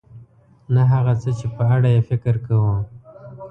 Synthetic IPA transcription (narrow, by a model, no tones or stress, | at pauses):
naɦaɣat͡sət͡ʃepəaɽajefɪkɪɾkawə